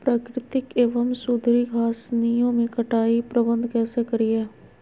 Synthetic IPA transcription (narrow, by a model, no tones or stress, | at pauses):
pɾaːkɾɪt̪ɪkeːʋəmsʊd̪ʱɾiɡʰʱaːsnijõmẽkɐʈaːipɾəbə̃nd̪ʱkɛːsekɐɾiɛː